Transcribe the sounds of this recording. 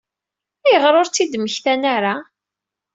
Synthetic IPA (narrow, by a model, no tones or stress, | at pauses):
æjəʁɾˤoɾt͡sːid̪məçθænaɾa